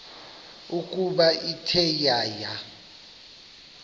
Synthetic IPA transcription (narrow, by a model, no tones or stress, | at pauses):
ukʼuɓaitʰɛjaːja